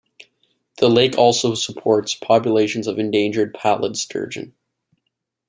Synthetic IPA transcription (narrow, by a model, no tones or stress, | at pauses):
ðəleɪkʰɔlˠsoʊsəpʰɔɹtspʰɑpjəleɪʃɨ̃n̩zʌvɨ̃ndẽɪ̃nd͡ʒə˞d̚pʰælˠə̰d̥stʰɜ̰˞d͡ʒɨ̰̃n